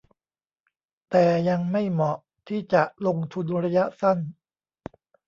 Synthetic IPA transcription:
t̪ɛː˨˩ja˧ŋma˥˩jmɔ˨˩ʔ | t̪ʰiː˥˩t͡ɕa˨˩ʔlo˧ŋt̪ʰu˧nɾa˧˥ja˦˥ʔsa˥˩n

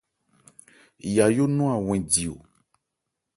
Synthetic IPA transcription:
ja˨jo˦nɔ̃˦a˨w̃ɛ̃˨di˨o̰˨

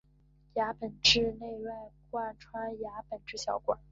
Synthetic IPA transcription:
ja˧˥pə˨˩nʈ͡ʂɻ̩˥˧ne˥˧ɪwa˥˧ɪkwa˥˩ʈ͡ʂʰwa˥ja˧˥pə˨˩nʈ͡ʂɻ̩˥˩ɕjɑ˧˥ʊkwa˨˩˦

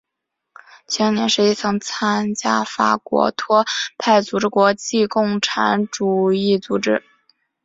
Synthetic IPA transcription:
t͡ɕʰɛ˧˥ŋnjɛ˧˥nʂɻ̩˧˥i˥˩t͡sʰɤ˧˥ŋt͡sʰa˥nt͡ɕja˥fa̰˧˩kwɔ̰˧˥t̪ʰwɔ˥pʰa˥˩ɪt͡su˧˥ʈ͡ʂɻ̩˥˧kwɔ˧˥t͡ɕi˥˧kʊ˥˩ŋʈ͡ʂʰa˧˥nʈ͡ʂu˨˩i˥˩t͡su˧˥ʈ͡ʂɻ̩˥

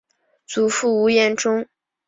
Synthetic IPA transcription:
t͡su˨˩fu˥˩u˧˥jɛ˥˩nʈ͡ʂʊ˥ŋ

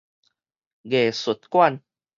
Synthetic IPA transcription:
ɣe˨˩su˨˩t̪̚kwa˥˨n

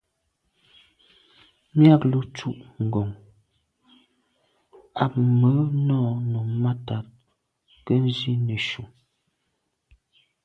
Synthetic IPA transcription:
mja˦˨klu˨t͡ʃu˦ʔŋ̩˨ɡɔ˨ŋ | a˨p̚mə˨˦nɔː˦˨no˨ma˦ta˨t̚ | kə˦n˦zi˦nə˨ʃu˨

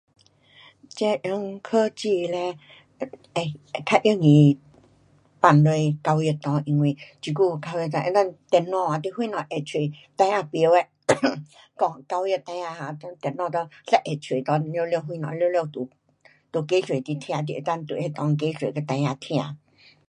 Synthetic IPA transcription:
t͡ɕe˧˦ʔi˧˦ŋkʰə˦t͡ɕi˧˨lɛ˧ | e˧˩˨kʰa˧ʔjə˥˧˨ŋĩ˨˩ | pa˧˩nlwe˧jka˧wje˧˨t̪ɔ̃˧ʔi˧ŋwi˧˨t͡ɕi˧˩ku˥˧˨ka˧wji˧t̪ʔe˧˦t̪a˥˨nt̪ɛ˨˧˩nɔ̃˧a˨˧t̪̬i˧˨hwi˧˦nɔ̃˨ʔe˨˩t͡ɕʰwe˨˩˨t̪ã˧ja˧pwɛ˧ | kɔ˧ka˧wjə˧˨t̪ã˧j̃ã˧ha˧˨t̪t̪ɛ˧˩nɔ̃˥˧˨t̪ɔ˧sa˧˨ʔe˨˩t͡ɕʰwe˨˩t̪ɔ̃˧˦˧ljljo˥˧˨ɦwi˧nɔ̰̃˨˧ljljo˧˨t̪u˨ | t̪u˨˩ke˧˦swe˨t̪i˧t̪ʰĩ˧ã˧˨t̪̬i˧ʔe˨˧˩t̪a˥˨nt̪u˨e˧t̪ɔ̃˧ŋ˧ke˧˦swe˨kə˧t̪ã˧j̃ã˧t̪ʰĩ˧ã˧˨

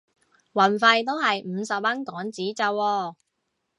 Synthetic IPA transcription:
wɐ˨˩nfɐ˧jt̪o˥wɦɐ˨jm̩˨˧˥sɐ˨p̚mɐ˥nkɔː˨˥ŋt͡siː˨˥t͡sɐ˧wɔː˧

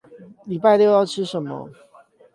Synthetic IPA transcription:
li˨˩pa˥˧ɪt̪jo˥˧ʊjɑ˥˩ʊʈ͡ʂʰɻ̩˦˥ʂə˨˩nmə̰˦

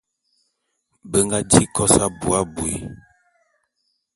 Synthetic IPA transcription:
bə˦ŋɡa˦d͡ʒi˦kɔ˦sa˦bu˨a˦bu˨ḭ˦

